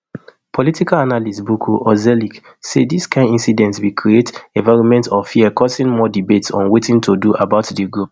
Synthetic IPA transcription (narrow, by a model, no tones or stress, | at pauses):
pʰɔlitikalanalisbukʰuʔɔzɛlik | sediskʰãɪndĩnsidɛ̃ntswikʰɹietevaɹumɛ̃ntɔfiəkɔsĩŋmɔdibetsɔ̰̃nwetĩntʰoduabaʊtdiɡɹup̚